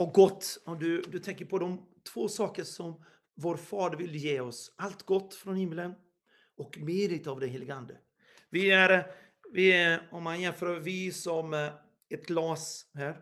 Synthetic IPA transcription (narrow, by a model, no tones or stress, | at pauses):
ɔɡɔt̪ːɔmd̪ɵd̪ɵt̪ʰɛŋkəɾpʰɔd̪ɔmt̪ʰvoːsɑːkəʂɔm | voːɾfɑːd̪əɾvɪld̪əjeːɔsʔalt̪ɡɔt̪ːfɾɔnhɪmːələn | ɔkmeːɾɪt̪avd̪ɛnɦeːlɪɡəand̪ə | vɪæɾ | vɪɔmhanjɛnføːɾvɪsɔm | ɛt̪ɡlɑːshæːɾ